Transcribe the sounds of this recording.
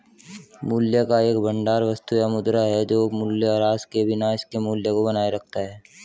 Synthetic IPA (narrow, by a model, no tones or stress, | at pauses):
muːljəkaeːkbə̃ɳɖaːɾʋɐst̪ujamʊd̪ɾaɦɛd͡ʒoːmʊljaɾaːzkebɪnaɪskemuːljəkobənaːeɾɐk̚ʰt̪aɦɛː